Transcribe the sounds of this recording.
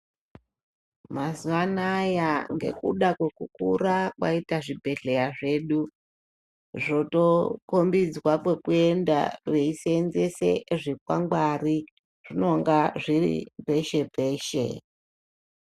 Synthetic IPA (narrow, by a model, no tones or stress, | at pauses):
mazuʋanajaŋɡe̞̰kṵɗakwe̞kukurakwa̰itaʐibʱe̞ɮe̞jaʐe̞ːɗu | ʐo̞to̞kombid͡zwakwe̞kue̞nda̰reisenzese̞ʐikwa̰ŋɡwari | ʐ̥ino̞ŋɡaʐirḭpe̞ʃe̞pe̞ːʃe̞̰